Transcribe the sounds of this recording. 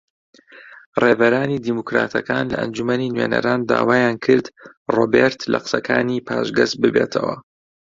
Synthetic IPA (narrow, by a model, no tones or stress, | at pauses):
reːbɐɾaːnid̪iːmukɾaːt̪ʰɐkaːnlɐʔɐnd͡ʒumɐniːnweːnɐ̰ɾaːnd̪a̰ːwaːjaːnkʰɨɾd̪ | roːbeɾt̪lɐqsɐkʰaːniːpʰaːʒɡɐsbɨbeːt̪ʰɐwɐ